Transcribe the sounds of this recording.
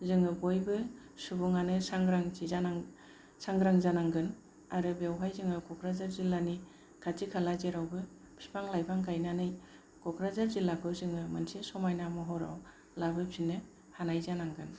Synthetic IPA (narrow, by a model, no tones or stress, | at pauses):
zɯŋɯbojbɯ | subuŋanɯsaŋɡɾaŋiana | saŋɡɾaŋzanaŋɡɯn | aɾɯbewɦajzɯŋɯkʰɔkɾazaɾzilani | kʰatikʰalazeɾawbɯ | pʰipʰaŋlajbaŋkʰajnanɯj | kʰɔkɾazaɾzilakʰɯzɯŋɯmansisɔmajnamɔɦɔɾa̰w | labɯpʰinɯ | hanajzanaŋɡɯn